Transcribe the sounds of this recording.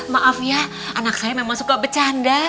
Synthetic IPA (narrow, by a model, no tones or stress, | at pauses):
t̪̚maʔafja | ʔanaksajamamasukabət͡ʃanda